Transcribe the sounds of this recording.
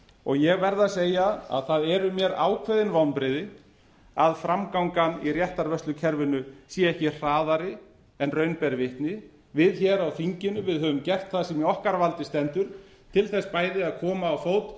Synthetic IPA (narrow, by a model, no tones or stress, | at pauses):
ɔɣjɛɣvɛɾðaseːjaa̰ðθaðɛɾʏmjɛɾa̰ːwkʰvɛðɪnvawnpɾɪðɪ | aðfɾamkawŋkanḭrjɛht̪aɾvœsʏcʰɛɾvɪnʏsjiɛhcɪr̥aːðaɾɪ | ɛnrœːɥnpɛɾvɪht̪nɪ | vɪðçɛɾawθiɲcɪnʏvɪðɦœvʏmcɛr̥t̪θasɛmjɛɔhkaɾvalt̪ɪst̪ɛnt̪ʏɾ̥ | t̪ʰɪlθɛspaːjðɪaðkʰɔːmaːwfoːwt̪